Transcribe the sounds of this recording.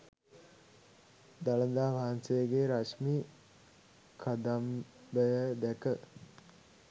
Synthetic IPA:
d̪aləd̪aːʋaansejəɡeɾaʂmiː | kʰad̪ambəjəd̪ækə

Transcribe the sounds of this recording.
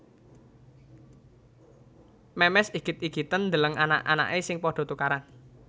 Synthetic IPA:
mɛmɛsiɡ̥it̪̚iɡit̪ənd̪ələŋana̰ʔa̰na̰ʔesɪŋpɔɖ̥ɔ̤t̪ukaɾan

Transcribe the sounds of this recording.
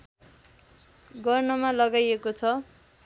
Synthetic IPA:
ɡʌrnʌmalʌɡajekot͡sʰʌ

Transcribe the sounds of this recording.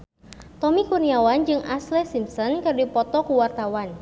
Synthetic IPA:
t̪ɔmikuniawand͡ʒɨŋʔaslɛsimsɔnkərdipɔt̪ɔkuwart̪awan

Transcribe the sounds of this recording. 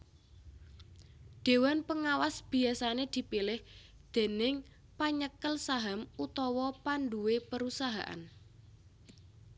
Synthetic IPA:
ɖ̥e̤wanpəŋawasb̥i̤asaned̪̥i̤pilɪh | d̪̥e̤nɪŋ | paɲəkəlsaɦamut̪ɔwɔpanɖuwepəɾusaɦa̰ʔa̰n

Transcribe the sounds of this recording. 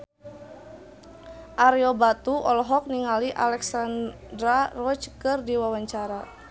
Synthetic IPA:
ʔaɾɛɔbat̪uʔɔlɔɦɔk̚niŋaliʔa̰lɛksan | dɾarɔt͡ʃkɨrdiwawaɲt͡ʃaɾa

